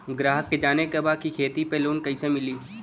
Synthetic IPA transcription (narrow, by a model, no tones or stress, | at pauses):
ɡɾaːɦəkːed͡ʒaːnekebaːd̪̚kikʰeːt̪ipeloːnkɐɪsemɪliː